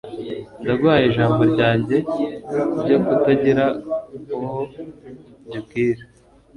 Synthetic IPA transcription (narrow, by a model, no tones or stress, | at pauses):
ndaɡwaːjeʒaːmbo̞ɾɟaːɲɟe̞ | bɟokutaɟiɾauho | ɟub̚kiːɾe